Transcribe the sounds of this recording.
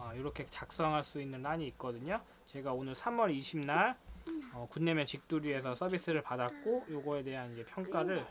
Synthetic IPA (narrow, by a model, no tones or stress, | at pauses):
ʌjoɾʌkʰe̞t͡ɕak̚s͈ʌŋɦaɭs͈uinːɯnaɲiːk̚k͈ʌdɯɲo | t͡ɕe̞ɡaonɯɭsʰamwʌɾiɕʰimnaɭʌkunːe̞mjʌnt͡ɕik̚t͈uɾie̞sʰʌsʰʌbis͈ɯɾɯɭpadak̚k͈ojoɡʌe̞te̞ɦanid͡ʑe̞pʰjʌŋk͈aɾɯɭ